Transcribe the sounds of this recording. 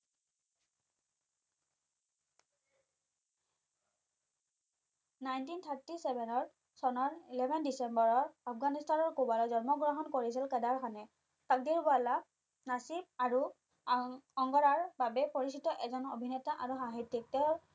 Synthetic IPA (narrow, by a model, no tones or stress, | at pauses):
najntint̪ʰaɹtisɛbɛnɔɹ | sɔnɔɹilɛbʱɛndisɛmbɔɹɔɹapʰɡanistanɔɹkubalɔzɔɹmɔɡɹɔɦɔnkoɹis̬ilkɛdaɹkʰanɛ | tak̚diɹbala | nasimaɹu | ɔŋɡɔɹaɹbabɛpoɹisitɔʔɛzɔnobʱinɛtaʔaɹuxaɦitːik̚tɛɹ